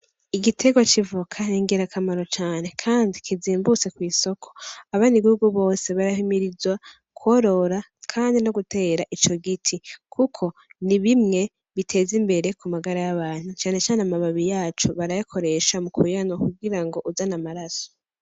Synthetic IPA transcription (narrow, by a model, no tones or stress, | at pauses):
iɡitʰe̞ɡwat͡ʃivukʰaniŋɡeɾakʰamaɾo̞t͡ʃaːne̞kʰaːndikʰiziːmbut͡se̞kwiːso̞kʰo̞̥aβaniɡihuɡuβo̞ːse̞βaɾahimiɾizwa | kwoɾo̞ɾa | kʰaːndino̞ɡute̞ːɾaʔit͡ʃo̞ɡitʰikʰukʰo̞niβimŋe̞ | βitʰe̞ːzimbe̞ɾe̞kumaɡaɾajaβaːn̥hut͡ʃaːne̞t͡ʃaːneamaβaβijaːt͡ʃoβaɾajakʰo̞ɾe̞ʃamukujanakuɡiɾaŋɡo̞ʔuzanamaɾaso̥